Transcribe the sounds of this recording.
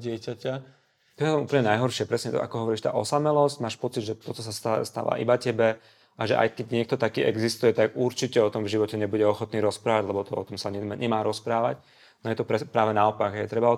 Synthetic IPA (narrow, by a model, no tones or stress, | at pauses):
ɟɪɛcaca | t̪ɔjɛt̪upl̩ɲɛnajɦɔɾʃɪɛpɾɛsɲɛt̪ʔa̰kɔɦɔʋɔɾiːʃt̪a̰ːʔɔsamɛlɔzcmaːʃpɔt͡sid̪ʒɛt̪ɔt̪ɔsast̪ast̪a̰ʋa̰ːʔḭbacɛbɛ | ʔaʒɛʔa̰jkɛɟɲɪɛk̚t̪ɔt̪akiːʔɛɡzist̪ujɛt̪aɡuɾt͡ʃicɛɔt̪ɔmvʒiʋɔcɛɲɛbuɟɛɔxɔt̪niːɾɔspɾaːʋaɟlɛbɔt̪ɔɔ̰t̪ɔmsaɲɛɲɛmaːɾɔspɾaːʋac | nɔjɛt̪ɔpɾɛpɾaːʋɛnaɔpaɡɦɛjɛt̪ɾɛbaɔ